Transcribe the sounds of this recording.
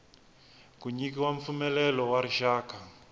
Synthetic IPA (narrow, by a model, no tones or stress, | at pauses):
kuɲikiwaɱfumɛlɛlɔwaɾiʃaːka